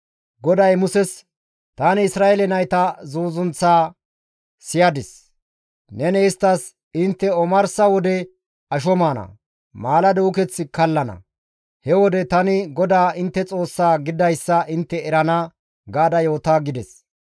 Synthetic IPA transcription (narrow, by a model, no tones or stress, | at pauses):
ɡɔd̪ɐjmʊsɛs | t̪anɪɪsɾaːʔɛlɛnɐjt̪ɐzoːzʊnt͡saː | sɪjɐd̪ɪs | nɛnɛɪst̪ːɐs | ɪnt̪ːɛɔmɐɾsɐwɔd̪ɛ | ɐʃ̬ɔmaːnɐ̰ | maːlɐd̪ɛʊkɛt͡sːɪkɐlːɐnɐ̰ | hɛwɔd̪ɛt̪ɐnɪɡɔd̪aːɪnt̪ːɛt͡sʼo̞ːsːaːɡɪd̪ɐjsːɐʔɪnt̪ːɛɛɾɐnɐ | ɡaːd̪ɐjo̞ːt̪aːɡɪd̪ɛs